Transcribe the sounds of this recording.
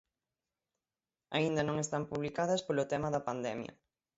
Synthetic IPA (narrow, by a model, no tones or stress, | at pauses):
aind̪ɐnõŋest̪ampuβlikaðɐspolʊt̪ɛmɐðɐpand̪ɛmjɐ̰